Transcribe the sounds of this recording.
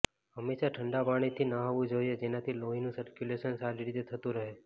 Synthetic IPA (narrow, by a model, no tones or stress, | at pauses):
ɦəmːeʃaʈʰəɳɖabaɽ̃it̪ʰinaɦaʋũd͡ʒojed͡ʒenat̪ʰiloɦinũsəɾkjuleʃənsaɾiɾit̪et̪ʰət̪ũɾəɦe